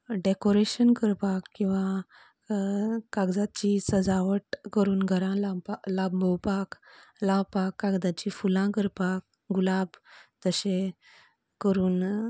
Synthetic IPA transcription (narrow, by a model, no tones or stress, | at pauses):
ɖekoɾeɕənkəɾpakkːĩw̃ʋã | kaɡd͡zat͡ɕisəd͡zaʋəʈkəɾuːnɡʱəɾãlalabmʱəwpaklawpakːaɡd̪at͡ɕifulãkəɾpak | ɡulabt̪əɕe | kəɾuːn